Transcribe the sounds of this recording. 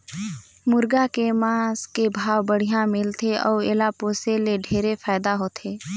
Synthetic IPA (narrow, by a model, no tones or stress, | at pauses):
mʊɾɡakemãːskebʱaːwbəɽ̤ijãmɪlt̪ʰeʔɔːeːlapoːseleɖʱeːɾepʰaːɪd̪aɦoːt̪ʰeː